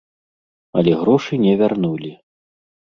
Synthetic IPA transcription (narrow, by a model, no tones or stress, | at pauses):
ɐlʲɛɣɾɔʂɨnʲɛvʲarnulʲi